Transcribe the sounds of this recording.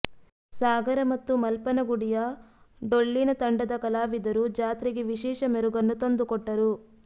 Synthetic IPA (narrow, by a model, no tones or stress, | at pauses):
saːɡɐɾɐmɐt̪ːumɐlpɐnɐɡuɽijɐɖoɭːinɐt̪ɐɳɖɐd̪ɐkɐlaːʋid̪ɐɾud͡ʒaːt̪ɾiɡeʋiʃɛːʂɐmeɾuɡɐnːut̪ond̪ukɔʈːɐɾu